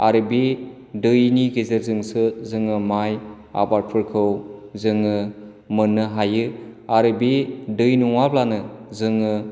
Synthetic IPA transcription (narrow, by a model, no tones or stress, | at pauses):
aɾɯbi | dɯjniɡezeɾzɯŋsɯzɯŋɯmaj | a̰baɾ̚pʰɯɾkʰɯwzɯŋɯ | mɯnːɯɦajɯaɾɯbidɯjnuŋablanɯzɯŋɯ